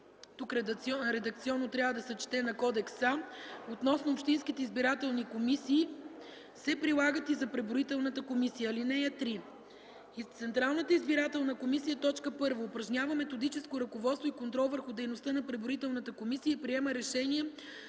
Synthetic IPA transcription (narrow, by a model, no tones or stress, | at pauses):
t̪ukɾɛd̪ɔɾɛd̪ɐkt̪siɔnːot̪ɾʲjavəd̪ɐsɛt͡ʃi̥t̪ɛnɐkɔd̪ɛksamot̪nɔsnoːpʃt̪inskit̪ɛizbiɾat̪ɛlˠnikomisiː | sɛpɾilˠaɡət̪izɐpɾɛboɾit̪ɛlˠnət̪əkomisijəːlinɛjɛt̪ɾi | it̪sɛnt̪ɾalˠnət̪əizbiɾat̪ɛlˠnəkomisijət̪ɔt͡ʃkəpɤɾvɐʊpɾɐʒnʲavəmɛt̪od̪it͡ʃɛskoɾɐkovɔt̪st̪voikont̪ɾɔlˠvəɾxʊd̪ɛjnost̪ənɐpɾɛboɾit̪ɛlˠnət̪əkomisijəipɾiɛməɾɛʃɛniɛ